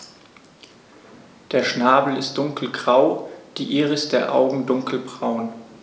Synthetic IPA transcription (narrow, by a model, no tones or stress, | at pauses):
d̥eːɐʃnaːbl̩ɪst̚d̥ʊŋkl̩ɡʁaʊd̥iːʔiːʁəɪsd̥eːɐʔa̰ʊɡŋ̩dʊŋkl̩bʁaʊn